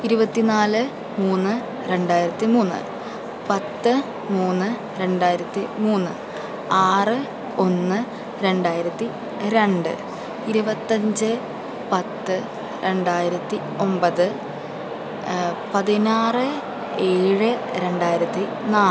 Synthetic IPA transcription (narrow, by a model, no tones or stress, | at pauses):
iɾubɐt̪ːinaːlɨ | muːnːɨ | ɾe̞ɳɖaːjiɾɐt̪ːimuːnːɨ̰ | pɐt̪ːɨ | muːnːɨ | ɾe̞ɳɖaːjiɾɐt̪ːimuːnːɨ̰ | aːrɨ | o̞nːɨ | ɾe̞ɳɖaːjiɾɐt̪ːi | ɾe̞ɳɖɨ̰ | iɾubɐt̪ːɐɲd͡ʑɨ | pɐt̪ːɨ | ɾe̞ɳɖaːjiɾɐt̪ːi | o̞mbɐðɨ | pɐðinaːrɨ | e̞ːɻɨɾe̞ɳɖaːjiɾɐt̪ːi | naː